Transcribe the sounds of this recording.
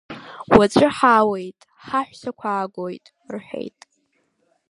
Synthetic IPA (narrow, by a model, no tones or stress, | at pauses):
wat͡ʃʷʼɨħaːwejtʼ | ħaħʷᶣsakʷʰaːɡʷojtʼ | rħᶣḛjtʼ